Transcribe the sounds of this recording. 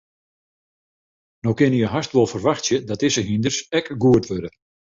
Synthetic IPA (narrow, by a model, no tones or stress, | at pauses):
nowkɪnəjəɦastʋolˠfərʋaxtsjədɔtɪsəɦindərsɛkɡuətʋødə